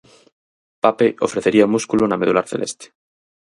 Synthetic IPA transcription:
papeʔo̰fɾeθeɾiaomuskulunameðulaɾθḛlʔest̪e̥

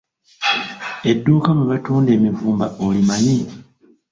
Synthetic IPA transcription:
e̞dːuːkamuβatuːndeːmivuːmbaʔolimani

